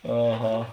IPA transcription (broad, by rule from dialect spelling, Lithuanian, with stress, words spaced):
ɐˈɣɐ